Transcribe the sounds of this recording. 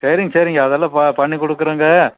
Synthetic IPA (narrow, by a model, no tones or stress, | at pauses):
sɐɾɪŋɡɐsɐɾiŋɡɐːðɐlːɐ̃pɐpɐɳːikɔɽɯkːɯɾɐːŋɡɐ